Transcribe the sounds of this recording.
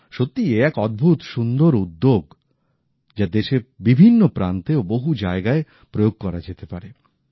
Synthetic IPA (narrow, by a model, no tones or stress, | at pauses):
ʃot̪ːieɛkɔd̪̚bʱut̪ʃund̪oɾud̪ːoɡ | d͡ʑad̪eʃebibʱinːopɾant̪eoboɦud͡ʑaeɡae | pɾojoɡ̚kɔɾad͡ʑet̪epaɾe